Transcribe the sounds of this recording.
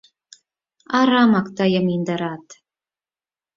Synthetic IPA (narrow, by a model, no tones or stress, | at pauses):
ɑɾɑmɑkt̪ɑjəmind̪ə̆ɾɑt̪